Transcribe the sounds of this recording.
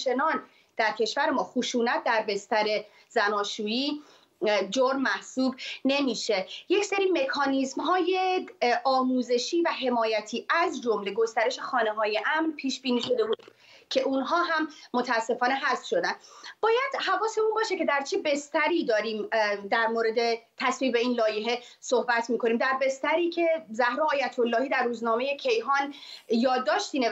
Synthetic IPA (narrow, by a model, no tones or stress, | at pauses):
t͡ʃʰe̞nɒːn | d̪̥æɾcʰe̞ʃvæɾe̞mɒːxuʃuːnæt̪̚ʰd̪æɾbe̞st̪æɾe̞ | zænɒːʃuːjiː | d͡ʒoɾmmːæhsuːbne̞miːʃe̞je̞cse̞ɾiːme̞kʰɒːnizmɦɒːjeʔɒːmuːze̞ʃiːvæɦe̞mɒːjæt̪ʰiːæzd͡ʒo̞mle̞ɡo̞st̪æɾe̞ʃe̞xɒːne̞ɦɒːje̞ʔæmrpʰiːʃbiːniːʃo̞d̪e̞buːd̪ | cʰe̞ʔunɦɒːɦæmːot̪ʰæːsːe̞fɒːne̞ɦæst̪ʃo̞d̪ænbɒːjæd̪̥hævɒːse̞unbɒːʃe̞ce̞d̪æɾt͡ʃʰe̞be̞st̪æɾiːd̪ɒːɾiːmd̪æɾmoɾe̞d̪e̞t̪ʰæsviːbbeiːnlɒːjeɦe̞ | so̞hbæt̪ʰmiːkʰo̞niːmd̪æɾbe̞st̪æɾiːcʰe̞zæhɾɒːɒːjæt̪ʰo̞lːɒːhiːd̪æɾːuːznɒːme̞je̞cʰe̞jɦɒːnjɒːd̪ːɒːʃt̪iːne